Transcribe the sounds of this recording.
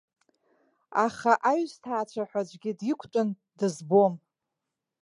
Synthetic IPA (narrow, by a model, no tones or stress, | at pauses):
aχaʔaɥztʰaːt͡ʃʷʰaħʷad͡ʒʷɡʲidikʷʰtʼʊn | dɨzbom